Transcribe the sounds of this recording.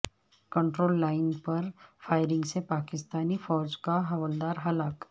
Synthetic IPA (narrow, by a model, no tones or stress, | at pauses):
kə̃ɳʈɾoːlːaːɪnpɐɾfaːɪɾɪ̃ŋɡsepaːkɪst̪aːnifɔːɾd͡ʒkaɦɐʋəld̪aːɾɦɐlaːk